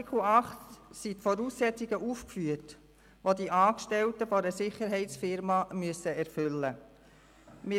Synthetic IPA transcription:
kʰl̩ɑχtsitfɔɾuːsːɛt͡siɡəʔuːfkfyət | ʋodiʔɑːkʃtɛltəfɔɾəsɪχəɾɦɛɪtt͡sfɪɾmɑmyəsəɛɾfʏlːə | mɪ

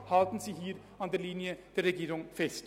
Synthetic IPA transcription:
hɑːld̪n̩siɦiːɾ | ɑnd̪əɾlinjət̪ʰɪlɾɛɡeːɾʊŋfɛst̪

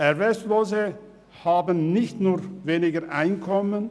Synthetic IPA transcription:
ɛʁvɛstloːzə | haːbənnɪçtnuːʁveːnɪɡəʔaɪnkʰɔmən

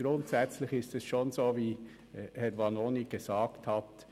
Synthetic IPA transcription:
ɡ̥ɾʊntsɛt͡slɪçɪstɛsʃoːnzoːviː | hɛɾʋɑnoːniɡ̥ezɑːkthɑt

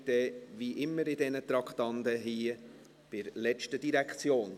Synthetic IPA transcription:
d̥̪ɛviːʔɪmːəɾɪdɛnət̪ɾɑkχt̪ɑnd̪əɦiː | b̥ɪɾlɛt͡ʃtəd̥iɾækχt͡sjoːn

